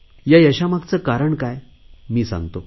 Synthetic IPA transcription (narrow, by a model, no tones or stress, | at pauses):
jajəɕamakt͡səkaɾəɳkaj | miːsã̰ŋɡt̪o